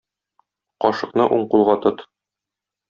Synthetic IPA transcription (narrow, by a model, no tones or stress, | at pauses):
qɒʃɤ̆qnɤʔuɴqulˠʁɑt̪ot̪